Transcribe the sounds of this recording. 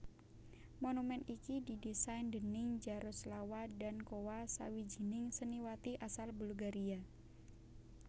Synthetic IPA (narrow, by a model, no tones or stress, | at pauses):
monumɛnikididisajndənɪŋd͡ʒaɾʊslawadankowasa̰wid͡ʒə̤nɪŋsəniwat̪iʔasalbulɡaɾia